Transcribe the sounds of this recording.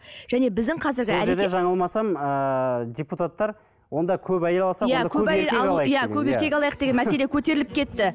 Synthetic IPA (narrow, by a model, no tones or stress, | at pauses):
ʒ̥æne̞bɪzd̪ɪŋqʰɑzɪɾɡʲɪæʒeɾd̪eʒɑɴəlˠmɑsɑmədʲeput̪at̪ːɑɾ | wo̞nd̪ɑkʲʰɵpæjelɑlˠsɑjækʲʰɵɵæjeleɑjjækʲʰɵbeɾʲe̞kʲɑlˠɑjəq̚d̪e̞ɡʲe̞nmæse̞le̞kʲʰɵt̪e̞ɾɪlɪp̚kʲʰe̞t̪ːɪ